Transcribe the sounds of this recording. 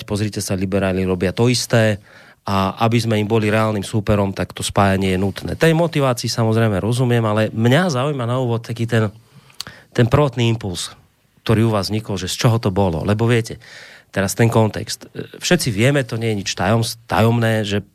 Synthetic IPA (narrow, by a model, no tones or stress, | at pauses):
cpɔzɾiːcɛsalibɛɾaːliɾɔbɪat̪ɔist̪ɛː | aʔabizmɛimbɔliɾɛaːlniːmsuːpɛɾɔmt̪akt̪ɔspaːjaɲɪɛjɛnut̪nɛ̰ːt̪ɛjmɔt̪iʋaːt͡siːsamɔzɾɛjmɛɾɔzumɪɛmalɛmɲazaujmanauːʋɔt̪̚t̪akiːt̪ɛn | t̪ɛnpr̩ʋɔt̪niːimpuls | k̚t̪ɔɾiːuʋaːzvɲikɔlʒɛst͡ʃɔɦɔt̪ɔbɔlɔ̰lɛbɔʋɪɛcɛt̪ɛɾast̪ɛŋkɔnt̪ɛ̰kst̪fʃɛt̪t͡siʋɪɛmɛt̪ɔɲɪɛjɛɲit͡ʃt̪ajɔmst̪a̰jɔmnɛːʒɛ